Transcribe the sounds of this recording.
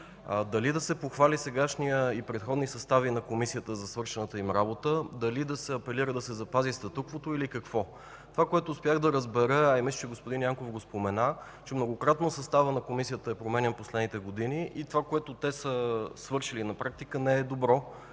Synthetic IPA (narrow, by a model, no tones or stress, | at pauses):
d̪ɐlid̪ɐsɛpoxvalisɛɡaʃnijəipɾɛt̪xɔd̪nisɐst̪avinɐkomisijət̪əzɐsvɤɾʃɛnət̪əimɾabot̪əd̪ɐlid̪ɐsɛɐpɛliɾəd̪ɐsɛzɐpazist̪ɐt̪ukvot̪oilikɐkvɔ | t̪ovakoɛt̪oːspɛjaɣd̪ɐɾəzbɛɾɤaimist͡ʃɛɡospod̪injaŋkofɡospomɛna | t͡ʃɛmnoɡokɾat̪nosɐst̪avənɐkomisijət̪əɛpɾomɛnɛnposlɛd̪nit̪ɛɡod̪iniit̪ovakoɛt̪ot̪ɛsəsvɤɾʃilinɐpɾak̚t̪ikənɛɛd̪obɾɔ